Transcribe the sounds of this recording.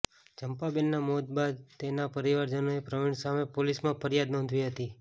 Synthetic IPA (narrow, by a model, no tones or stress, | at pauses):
t͡ʃəmpabɛnːamod̪bad̪̚t̪enapəɾiʋaɾd͡ʒənoepɾəʋiɳsamepolismãpʰəɾjad̪nɔ̃nd̪ʱʋiɦət̪i